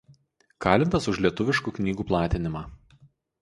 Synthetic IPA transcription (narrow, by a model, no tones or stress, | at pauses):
kɑːlʲɪnt̪ɐsʊʃlʲiɛt̪ʊʋʲɪʃkuːknʲiːɡuːplˠɑːt̪ʲɪnʲɪmɑː